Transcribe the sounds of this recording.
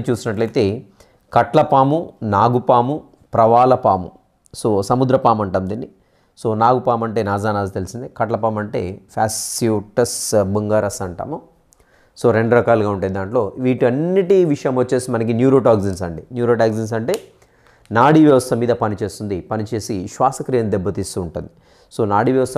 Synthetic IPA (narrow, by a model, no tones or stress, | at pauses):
it͡ʃuːsinɐʈlɐjt̪e̞ː | kɐʈlɐpaːmunaːɡupaːmu | pɾɐʋaːlɐpaːmṵ | so̞ːsɐmud̪ɾɐpaːmɐɳʈɐːmd̪inːi | so̞ːnaːɡupaːmɐɳʈe̞ːnaːd͡ʒaːnaːd͡ʒit̪e̞lisind̪ikɐʈlɐpaːmɐɳʈe̞ːpʰaːsijuʈɐsbuŋɡaːɾɐsɐɳʈa̰ːmu | so̞ːɾeɳɖɾɐkaːluɡaːuɳʈaːd̪id̪aːɳʈlo̞ːʋiːʈiɐnːiʈiʋiʂɐjɐmʋɐt͡ʃːe̞ːsimɐnɐk̬injuːɾoːʈaːɡzinsɐɳɖinjuːɾoːʈaːɡzins̬ɐɳʈe̞ː | naːɽiʋjɐʋɐst̪ʰɐmiːd̪ɐpɐnit͡ʃe̞ːst̪und̪ipɐnit͡ʃe̞ːsiʃʋaːsɐkɾijɐmd̪ɛbːɐt̪ist̪uːɳʈund̪i | so̞ːnaːɽiʋjɐʋɐst̪